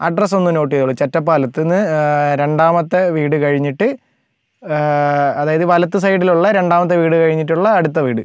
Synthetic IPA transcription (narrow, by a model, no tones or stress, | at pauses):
ɐɖrɐs̬o̞nːuno̞ːʈ̬ːiuɭːut͡ɕetːɐp̬ːaːlɐt̪ːinːɨɾe̞ɳɖaːmɐt̪ːeʋiːɽɨkɐɻiɲːiʈːɨ | ɐðaːjɐðɨʋɐlɐt̪ːɨs̬ɐjɖiluɭːɐɾe̞ɳɖaːmɐt̪ːeʋiːɽɨkɐɻiɲːiʈːuɭːɐːɽut̪ːɐʋiːɽɨ